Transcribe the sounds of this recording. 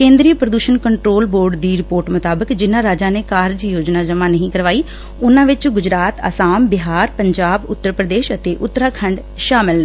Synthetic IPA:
kẽːnd̪ɾiːəpɾəd̪uːʃənkəɳʈɾoːlboːɾɖd̪iːɾɪpoːɾʈmʊt̪aːbəkd͡ʒɪnãːɾaːd͡ʒaːneːkaːɾd͡ʒijoːd͡ʒnaːd͡ʒəmãːnəɦĩːkəɾʋaːiː | ʊnãːʋɪt͡ʃɡʊd͡ʒɾaːt̪ə̰saːmbɪɦaːɾpəɲd͡ʒaːbʊ̰t̪ːəɾpɾəd̪eːʃət̪eːʔʊt̪ːəɾaːkʰəɳɖ | ʃaːmɪl

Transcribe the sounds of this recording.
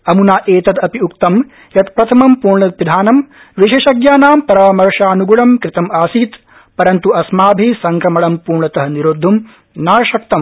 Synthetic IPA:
ɐmunaːʔeːt̪ɐd̪ɐpiukt̪ɐm | jɐt̪pɾɐt̪ʰɐmɐmpuːɾɳɐt̪̚ʋid̪ʱaːnɐm | ʋiʃɐːʃɐɡjaːnaːmpɐɾaːmɐɾʂaːnuɡuɭɐmkɾɪt̪ɐmaːsiːt̪ | pɐɾɐnt̪uɐsmaːbʱisɐŋkɾɐmɐɭɐmpuːɾɳɐt̪ɐɦɐniɾoːd̪ʱːum | naːɾɐʃɐk̚t̪ɐm

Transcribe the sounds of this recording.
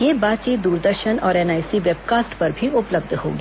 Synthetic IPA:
jeːbaːt̪t͡ʃiːt̪̚d̪uːɾd̪əɾʃənɔːɾɛnaːɪsiʋeːbkaːsʈpɐɾbʱiʊpləb̚d̪ʱho̰ːɡiː

